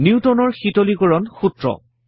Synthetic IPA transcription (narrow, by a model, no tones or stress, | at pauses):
niutɔnɔɹxitolikɔɹɔnxutɹɔ̰